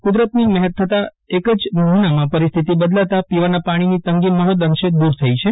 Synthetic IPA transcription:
kud̪ɾət̪nimɛɦət̪t̪ʰːət̪a | ekəd͡ʒməɦnamãpəɾist̪ʰit̪ibəd̪laʋt̪apiʋanapaɽ̃init̪əŋɡiməɦət̪əŋʃed̪uɾt̪ʰəit͡ʃʰe

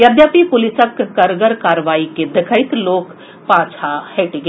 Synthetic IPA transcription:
jɐd̪japipʊlɪsəkːɐɾɡəɾkaːɾʋaːiked̪ɐkʰəɪt̪loːk | pãːt͡ʃʰaheʈiɡe

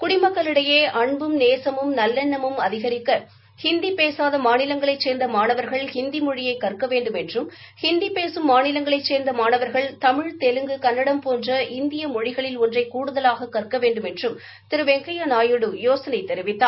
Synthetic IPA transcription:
kʊɽɪmɐkːɐɭɪɽɐjeːʔɐɳbɯmneːsɐmɯmnɐlːɛɳːɐmɯmɐðɪɣɐɾɪkːɐ | hɪnd̪ipeːsaːðɐmaːnɪlɐŋɡɐɭɐɪt͡ʃseːɾnd̪ɐmaːɳɐʋɐɾɣɐɭhɪnd̪imɔɻɪjɐɪkːɐrkɐʋeːɳɖɯmɛndrɯm | hɪnd̪ipeːsɯmːaːnɪlɐŋɡɐɭɐɪt͡ʃseːɾnd̪ɐmaːnɐʋɐɾɣɐɭt̪ɐmɪɻt̪ɛlɯŋɡɯkɐnːɐɽɐmpoːndrɐʔɪnd̪ɪjɐmɔɻɪɣɐɭɪlɔndrɐɪkuːɽɯðɐlaːɣɐkːɐrkɐʋeːɳɖɯmɛndrɯm | t̪ɪɾɯʋɛŋkɐjɐnaːjɯɽɯjoːsɐnɐɪt̪ːɛɾɪʋɪt̪ːaː

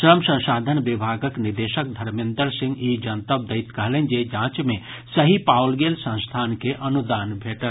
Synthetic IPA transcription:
ʃɾəmsɐ̃ʃaːd̪ʱənʋɪbʱaːɡəknɪɾd̪eːʃək̚d̪ʱɐɾmɪ̃nd̪ɾsɪ̃ŋɡiːd͡ʒɐnt̪əb̚d̪ɐɪt̪kəɦlẽnd͡ʒed͡ʒãːt͡ʃmẽ | sɐɦipaːwlɡeːlsɐ̃ñst̪ʰaːnkeʔɐnud̪aːnbʱeːʈə

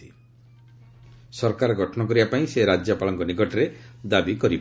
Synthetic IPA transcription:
i | sɔɾkaɾɡʱɔʈʰɔnɔkɔɾibapaĩseɾad͡ʒjɔpalɔŋkɔnikɔʈɔɾed̪abikɔɾib

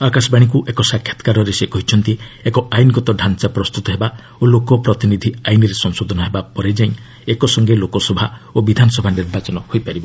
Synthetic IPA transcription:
akasɔbaɽ̃ik̬uʔekɔsakʰjɔ̥t̪ɔ̥kaɾɔɾesekɔɦit͡ʃʰɔnt̪iekɔajnɔɡɔt̪ɔɖʱant͡ʃapɾɔst̪ut̪ɔɦeba | olokɔpɾɔt̪inid̪ʱiajnɔɾesɔŋsod̪ʱɔnɔɦebapɔɾed͡ʒaĩ | ekɔsɔŋɡelokɔsɔbʱaobid̪ʱanɔsɔbʱaniɾbat͡ʃɔnɔhojpaɾibɔ

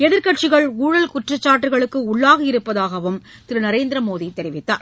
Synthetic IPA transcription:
ɛðɪɾkɐʈ̚t͡ʃɪɣɐɭuːɻɐlkʊʈrɐt͡ʃːaːʈːɯɣɐɭɯkːɯʊɭːaːɣɐɪɾɯpːɐðaːɣɐʋɯm | t̪ɪɾɯnɐɾeːnd̪ɪɾɐmoːðit̪ːɛɾɪʋɪt̪ːa̰ːɾ

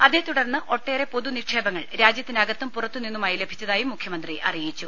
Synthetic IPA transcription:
ɐðe̞ːt̪uɽɐrnːɨʔo̞ʈːe̞ːɾe̞po̞ðunikʂeːbɐŋːɐɭɾaːd͡ʑjɐt̪ːindɐɡɐt̪ːɐmpurɐt̪ːuninːumaːjile̞bʱi̥t͡ɕːɐðaːjumːukʰjɐmɐnd̪riʔɐ̰rijit͡ɕːu

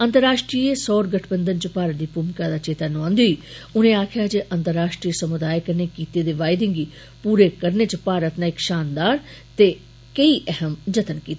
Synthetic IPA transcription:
ənt̪əɾːaːʃʈɾiːeːsɔːɾɡəʈʰbənd̪ənt͡ʃəpaːɾət̪̚d̪iːpʊmkaːd̪aːt͡ʃeːt̪aːnʊãːnd̪oiːʊnẽːaːkʰɪjaːd͡ʒeʔənt̪əɾːaːʃʈɾiesəmʊd̪aːjkəɾneːkiːt̪eːd̪eːʋaːɪd̪ɪ̃ŋɡiː | puːɾeːkəɾneːt͡ʃəpaːɾət̪nãːɪkʃaːnd̪aːɾ | t̪eː | kəiːʔɛɦəmd͡ʒət̪ənkiːt̪ː

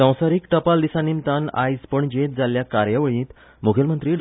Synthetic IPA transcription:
sə̃w̃saɾiːkʈəpald̪isanimt̪ana̰jspəɳd͡ʑet̪̚d͡zaljakaɾjəʋəɭĩt̪ | mukʰəlmənt̪ɾiːɖ

